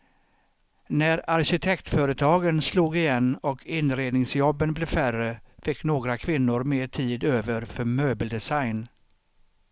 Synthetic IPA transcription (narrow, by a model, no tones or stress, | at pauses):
næɾaɾɕɪt̪ʰɛkt̪fœːɾət̪ʰɑːɡənsluːɡɪjɛnːɔkʰɪnɾeːd̪nɪŋsjɔbːənblɪːfærəfɪkːnoːɡɾakʰvɪnːʊɾmeːʈʰiːd̪øːvəɾfœɾmøːbəld̪ɛsajn